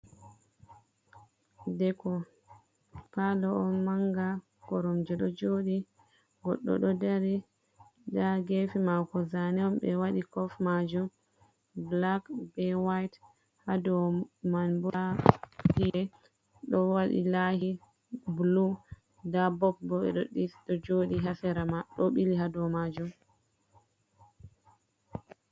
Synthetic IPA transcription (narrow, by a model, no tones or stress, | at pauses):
dɛkɔ | palɔɔmaŋɡa | kɔɾɔmd͡ʒɛɗɔd͡ʒoːɗi | ɡɔ̰ɗːɔ̰ɗɔdaɾi | daɡefimawkɔzanɛɔmbɛwaɗikɔfmad͡ʒum | blakbɛwajt | hadɔmanbahijɛ | ɗɔwaɗḭlahi | blu | dabɔp̚bɔɓɛ̰ɗɔɗifɗɔd͡ʒoɗiɦasɛɾamaɗɔɓiliɦadɔmad͡ʒum